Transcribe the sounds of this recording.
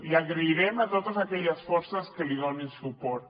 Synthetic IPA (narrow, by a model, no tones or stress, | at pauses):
iaɣɾeiɾɛmat̪ot̪əzakɛʎəsfɔɾsəskəliðonensupɔɾt̪